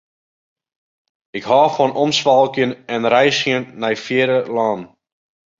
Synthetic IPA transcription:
ɪkɦaːfɔnɔmsʋalˠkjənɛnrɛjsjənːajfjɪːɾəlɑːn

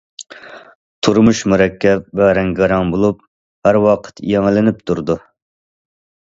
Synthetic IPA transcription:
t̪ʰuɾmuʃmuɾɛkʲːɛp̚vɛɾɛŋɡɑɾɑŋbolˠup̚ | hæɾwɑqʰə̥t̪jɛŋlɪnɪp̚t̪ʰuɾd̪u

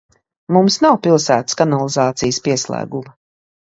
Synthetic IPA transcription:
mumsnawpilˠsæːt̪ə̥skanalˠizaːt̪sijspiɛslˠæ̰ːɡumɐ

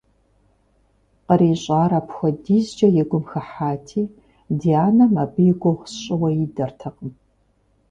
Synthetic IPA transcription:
qəɾiːɕʼaːɾɐpxʷɔdiːzd͡ʒɐjɛɡʷʊmxɐħaːtʰiː | dijaːnɐmɐbɨjɪɡʷowχsɕʼɪwɐjɪdɐrtʰɐqəm

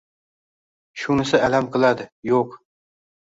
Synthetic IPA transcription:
ʃunɪsɪʔælæmqʰɨlˠad̪ɪjoq

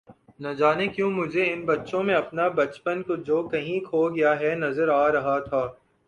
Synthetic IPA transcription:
nɐd͡ʒaːnekjũːmʊd͡ʒʱeɪnbɐtːʃõmẽɐpnabɐt͡ʃpənkod͡ʒoːkɐɦĩkʰoːɡɐjaɦɛnɐzəɾaːɾɐɦat̪ʰaː

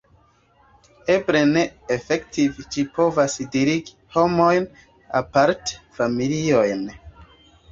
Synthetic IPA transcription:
e̞bɾe̞ne̞ːfektivʃipo̞vasdiɾiɡi | ho̞mo̞jn | a̰paɾte̥familio̞jn

